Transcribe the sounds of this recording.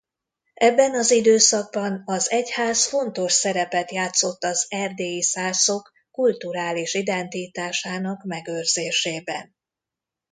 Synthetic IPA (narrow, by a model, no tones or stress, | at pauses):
ɛbːɛnɒzid̪øːsɒɡ̚bɒnɒzɛchaːsfo̞nt̪o̞ʃsɛɾɛpɛt̪jaːt̪so̞t̪ːɒzɛrd̪eːisaːso̞kːult̪uɾaːliʃid̪ɛnt̪it̪aːʃaːnɒkmɛɡørzeːʃeːbɛn